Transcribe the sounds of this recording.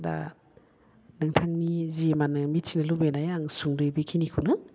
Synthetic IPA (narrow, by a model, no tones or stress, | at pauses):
da̰ | naŋtʰaŋnizimanɯmit̚sinɐlubedajaŋsuŋdojbikʰinikʰuwnɯ